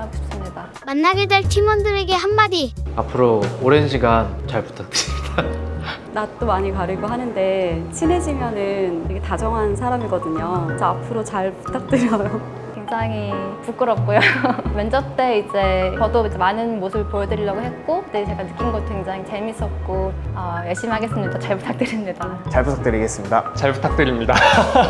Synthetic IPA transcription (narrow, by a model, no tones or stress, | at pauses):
aɡoɕps͈ɯmɲida | manːaɡedwe̞ɭtʰimundɯɾe̞ɡe̞ɦanmadiapʰɯɾoːɾe̞nɕʰiɡant͡ɕaɭpu̥tʰak̚t͈ɯimida | nat͈omaɲikaɾɯɡoɦanɯnde̞t͡ɕʰine̞d͡ʑimjʌnɯneketad͡ʑʌŋɦansʰaɾamiɡʌdɯɲot͡ɕʌapʰɯɾot͡ɕaɭpu̥t͈ʰak̚t͈ɯɾjʌjo | kwe̞ŋd͡ʑaŋipuk͈ɯɾʌp̚k͈ojomjʌnd͡ʑʌt͈e̞id͡ʑe̞t͡ɕʌdoid͡ʑe̞manɯnmosʰɯbɯɭpojʌdɯɾiʎːjʌɡoɦe̞t̚k͈okɯt͈et͡ɕeɡanɯk͈ʰinɡʌt͈̚okeŋd͡ʑaŋit͡ɕe̞mis͈ʌp̚k͈oʌjʌɭɕ͈imiɦaɡe̞s͈ɯmɲidat͡ɕaɭpu̥tʰak̚t͈ɯɾimɲidat͡ɕaɭputʰak̚t͈ɯɾiɡe̞s͈ɯmɲidat͡ɕaɭpu̥tʰak̚t͈ɯɾimɲida